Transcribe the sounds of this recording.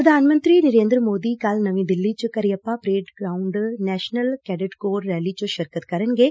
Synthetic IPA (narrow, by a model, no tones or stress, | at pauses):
pɾəd̪ʱaːnmə̃nt̪ɾiːnəɾeːnd̪ɾəmoːd̪iːkalnəʋĩːd̪ɪlːiːt͡ʃkəɾiːəpːãpɾeːʈɡɾaːʊɳɖnɛːʃnəlkɛːɖɪʈkoːɾːɛːliːt͡ʃõʃəɾkət̪kɐɾənɡeː